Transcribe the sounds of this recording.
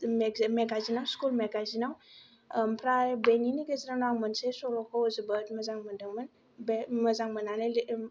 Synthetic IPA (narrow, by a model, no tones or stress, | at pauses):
meɡazinawskulmeɡazinaw | mpɾabeniniɡəzɾanaŋmənsesoɾokʰowəzɨbət̪məzaŋmənd̪əŋmən | beməzaŋmənanel